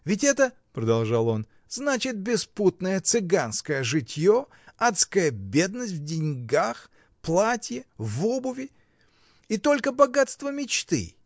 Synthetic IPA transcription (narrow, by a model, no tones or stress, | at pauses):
vʲɪt̬ʲɛt̪ə | pɾəd̪ɐlˠʐɑlˠo̞n | znat͡ɕɪt̪̚bʲɪsput̪nəjət̪sɨɡanskəjəʐɨtʲjo | at̪skəjəbʲe̞d̪nəsʲtʲvdʲɪnʲɡax | plˠatʲjɪvobʊvʲɪ | it̪o̞lʲkəbɐɡat̪st̪vəmʲɪt͡ɕt̪ɨ̰